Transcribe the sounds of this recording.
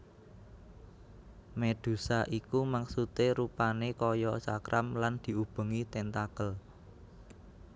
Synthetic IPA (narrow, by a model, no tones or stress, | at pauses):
med̪̥ṳsaʔikumaksut̪eɾupanekɔjɔsa̰kɾʔamland̪̥i̤ub̥ə̤ŋit̪ɛnt̪akəl